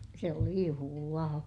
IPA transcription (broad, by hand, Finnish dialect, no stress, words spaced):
se oli juhulɑː